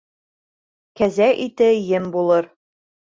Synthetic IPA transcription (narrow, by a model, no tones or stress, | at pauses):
kæzæʔit̪ɘjɘmbulˠɤɾ